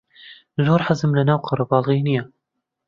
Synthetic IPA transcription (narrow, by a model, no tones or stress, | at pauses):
zuːɾħazəmlanaːwqʰɑɾˤɑbɑːlɣiːnija